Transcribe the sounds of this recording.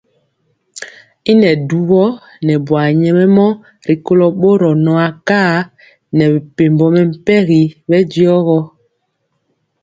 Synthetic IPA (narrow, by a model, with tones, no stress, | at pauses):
i˦nɛ˨du˨ɣɔ˦ | nɛ˨bwa˨ɲɛ˨mɛ˦mɔ˦ | ɾi˨ko˦lɔ˨ɓo˦ɾɔ˨nɔ˨a˨kaː˦˨ | nɛ˨βɛ˨pe˨mbɔ˨mɛ˨m̩˦˨pɛ˦ɣi˨βɛ˦di˦ɔ˦ɣɔ˦